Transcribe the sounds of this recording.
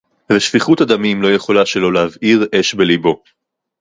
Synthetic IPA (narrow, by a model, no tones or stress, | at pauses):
veʃv̥iχutad̪amimlo̞je̞χo̞laʃelo̞leaviʁe̞ʃbelibo̞